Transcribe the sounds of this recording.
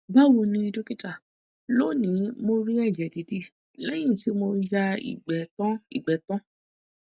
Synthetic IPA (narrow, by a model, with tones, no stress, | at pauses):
ba˦wu˧nĩ˧do˦ki˦ta˦˨ | lo˦˨nĩ˨˦mo˧ɾi˦ɛ˦˨d͡ʒɛ˨di˨˦di˦˨ | lɛ˦j̃ĩ˦˨ti˨˦mo˧ja˧ḭ˨ɡ͡bɛ˨tɔ̃˦i˦˨ɡ͡bɛ˨tɔ̃˦